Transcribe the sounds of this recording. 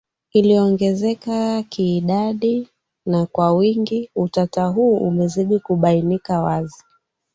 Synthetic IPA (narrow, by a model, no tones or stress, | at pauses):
iliɔŋɡɛzɛkakiːɗaɗi | nakwawiŋɡiutataɦuːʔṵmɛziɗikuɓainikawazi